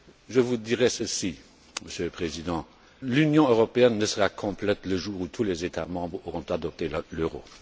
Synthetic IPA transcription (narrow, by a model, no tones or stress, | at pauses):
ʒəvud̪iʁɛsəsi | məsjøləpχezid̪ɑ̃ | lynjɔ̃øʁɔpeɛnːəsəʁakʰɔ̃plɛt̪ləʒuːʁut̪ʰulezet̪amɑ̃bʁoʁɔ̃t̪ad̪ɔp̚t̪elløʁo̰